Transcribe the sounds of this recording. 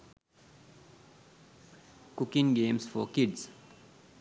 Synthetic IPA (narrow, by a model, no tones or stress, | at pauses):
kukiŋɡeːmsfɔkiɖs